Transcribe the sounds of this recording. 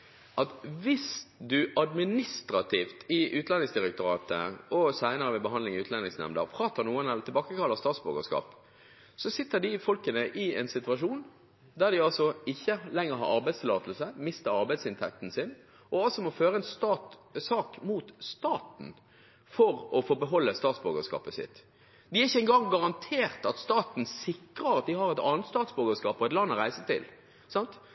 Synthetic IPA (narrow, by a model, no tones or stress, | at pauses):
ʔɑt̪ʋɪsd̪ʉʔɑd̪mɪnɪst̪ɾɑt̪ʰiːft̪ɪʔʉːt̪lɛnɪŋsd̪ɪʁɛk̚t̪ʊɾɑːt̪ə̰ɔsæɪnəɾəʋɪbəɦɑnd̪lɪŋʉːt̪lɛnɪŋsnɛ̰md̪ə̰ʁpʰɾɑːt̪ənuːənɛlət̪ʰɪlbɑːkəkʰɑlːəʁst̪ɑːt̪sbo̰ɡəskɑ̰ːp | sɔsɪt̪ːəd̪ɪfɔlkənəʔɪɛnsɪt̪ʉʋɑʂuːn | d̪æʁd̪ɪɑlsɔɪçːəlɛŋːəɾɦɑ̰ɾɑ̰ɾbæɪd̪st̪ʰɪlɑːt̪l̩səmɪst̪əɾɑɾbæɪd̪sɪnt̪ʰɛ̰k̚t̪n̩sɪn | ʔɔɑlsɔmɔføːɾəɛnst̪ɑsɑːkmuːt̪st̪ɑːt̪n̩ | fɔʁɔfɔːbəɦɔlːəst̪ɑːt̪sbʉːɡəskɑ̰ːpəsɪ̰t̪ː | d̪ɪæɾɪçːəɛŋɡɑŋɡɑʁɑnt̪ʰeːʁt̪ɑt̪st̪ɑːt̪n̩sɪkɾəɾɑt̪̚d̪ɪɦɑɾɛt̪ɑ̰ːnət̪st̪ɑːt̪sbʉːɡəskɑːpɔɛt̪lɑnːɔɾæɪsət̪ʰɪ̰l | sɑnt̪